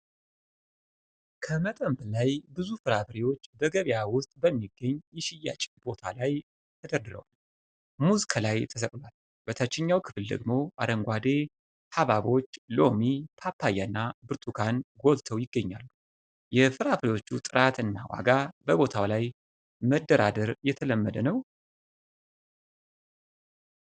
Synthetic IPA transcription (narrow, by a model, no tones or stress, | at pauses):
kʰəmət̪ʼəmblajbɨzufɨɾafɾiwo̞t͡ʃːbəɡəβjawʊst̪ʼbəmːiɡːəɲːjɛʃɪja̰t͡ʃʼɪ̥bo̞t̪ʰalaj | t̪ʰəd̪əɾd̪ɨɾə̰wal | muzkʰəlajt̪ʰəsəkʼlwal | b̥ət̪ʰat͡ʃːɪɲːawkʰɨ̥fɨld̪ə̰ɡmo̞ʔa̰d̪əŋɡʷad̪e̞ | haβaβo̞t͡ʃːlo̞mit̪ʰapʰːajanːabɨɾt̪ʰʼukʰanɡo̞lt̪ʰəwjɪɡːəɲːalːu | jɛfɨɾaflewo̞t͡ʃːut̪ʼɨɾat̪ɨnːawa̰ɡabəbo̞t̪ʰawlaj | məd̪ːəɾa̰d̪əɾjɛt̪ʰələmːəd̪ənəw